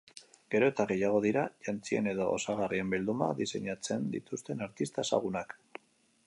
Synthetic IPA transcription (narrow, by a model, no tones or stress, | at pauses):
ɡ̥e̞ɾo̞e̞t̪aɣe̞jaɣ̞o̞ðiɾaʝant͡sie̞̰ne̞ðo̞̰ːsaɣarie̞mbild̪uma̰ðise̞̰ɲat͡se̞nd̪ḭt̪ust̪e̞naɾt̪ist̪aesa̰ɣ̞unak